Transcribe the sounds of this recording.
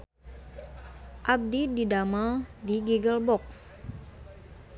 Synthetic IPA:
ʔab̚dididamadiɡuɡəlbɔks

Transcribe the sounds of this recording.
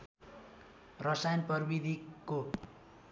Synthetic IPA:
rʌsajʌnpʌrbid̪ʱiko

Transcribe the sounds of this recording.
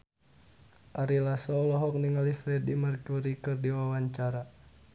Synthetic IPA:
ʔaɾilasɔlɔɦɔk̚niŋalifɾɛdimərkuɾikɨrdiwawaɲt͡ʃaɾa

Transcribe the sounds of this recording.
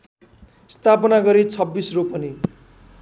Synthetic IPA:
st̪ʰapʌnaɡʌɾit͡sʰʌbːisropʌni

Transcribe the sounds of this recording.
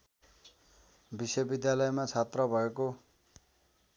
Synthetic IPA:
bisʌbid̪jalʌjmat͡sʰat̪rʌbʱʌeko

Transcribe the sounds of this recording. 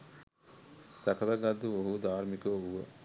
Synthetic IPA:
sakɐlɐɡad̪ːuoɦud̪aːɾmikəʋuʋə

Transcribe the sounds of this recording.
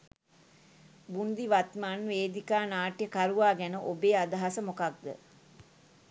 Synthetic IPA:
bund̪iʋat̪manʋeːd̪ikaːnaːʈjəkaɾuʋaːɡænəʔobeːad̪aɦasəmokak̚d̪ə̰

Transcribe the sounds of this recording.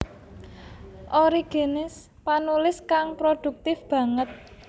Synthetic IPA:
ʔoɾiɡ̥enɪs | panulɪskaŋpɾod̪̥ṳk̚t̪ɪfb̥ä̤ŋət̪̚

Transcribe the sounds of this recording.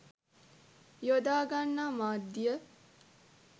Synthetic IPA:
jod̪aːɡanːaːmaːd̪ːijə

